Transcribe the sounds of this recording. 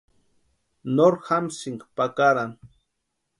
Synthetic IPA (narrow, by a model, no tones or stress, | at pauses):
noɾxamsiŋɡkpakaɾan